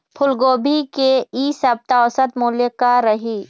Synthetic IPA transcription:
pʰʊlɡoːbʱikeisɐb̚t̪aɔsət̪muːlekaɾɐɦiː

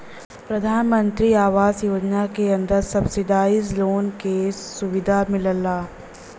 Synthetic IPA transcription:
pɾɐd̪ʱaːnmə̃nt̪ɾiaːʋaːzjoːd͡ʒnakeɐ̃nd̪əɾsɐbsɪd̪aːizloːnkesʊʋɪd̪ʱamɪləlːaː

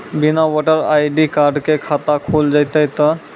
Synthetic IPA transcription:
binaʋɔʈəɾa̰jɖikaɾɖkekʰat̪akʰuld͡ʒajt̪əjt̪ə

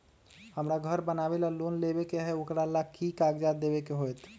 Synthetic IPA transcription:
həmɾaɡʱəɾbənaːʋelaloːnleːbekeɦɛʊkɾalakikaːɡd͡ʒad̪eːbekeɦoɛt̪ʰ

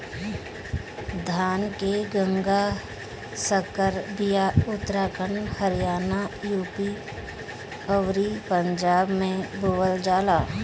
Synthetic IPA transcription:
d̪ʱaːnkeɡə̃ŋɡa | səkəɾbijaʊt̪ːɾaːkʰənhəɾɪjaːnajuːpi | əʋɾipə̃ɲd͡ʒaːbmẽboːʋəld͡ʒaːlaː

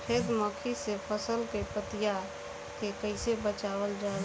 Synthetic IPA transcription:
pʰed̪məkʰisepʰəsəlkepət̪ija | kekəɪsebət͡ʃabəld͡ʒa

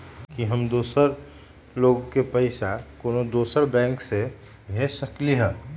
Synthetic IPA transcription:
kiɦəmd̪oːsəɾ | loːɡkepəɪsakoːnod̪oːsəɾbɛ̃ːŋkse | bʱesəkliɦɛː

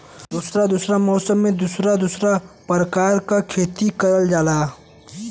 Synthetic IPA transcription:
d̪uːsɾad̪usɾamɔːsəmːẽd̪usɾad̪usɾapɾəkaːɾkakʰeːt̪ikəɾəld͡ʒaːlaː

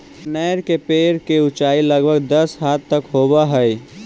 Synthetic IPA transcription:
nɛɪɾkepeɾkeʊt͡ʃailəɡbʱəɡ̚d̪əsɦat̪ːəkɦobaɦəj

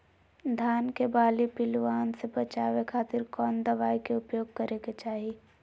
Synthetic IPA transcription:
d̪ʱaːnkebaːlipɪlʋaːnsebɐt͡ʃaːʋekʰaːt̪ɪɾkɔːnd̪ɐʋaːikeʊpjoːɡ̚kɐɾeɡet͡ʃaːɦi

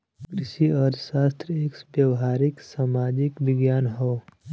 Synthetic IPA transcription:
kɾɪʃiɔːɾʃaːst̪ɾəeːksbjɐwɦaːɾɪksaːmaːd͡ʒɪkʋɪɡjaːnɦoː

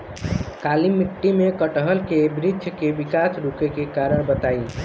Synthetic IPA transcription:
kalimiʈːimekəʈəɦəlkebɾid̪ʱjkebikasɾukekekaɾəɽbət̪ai

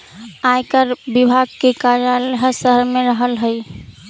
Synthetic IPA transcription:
ajkəɾbibʱaɡ̚kekaɾjaləɦsəɦəɾmẽɾəɦəlɦəi

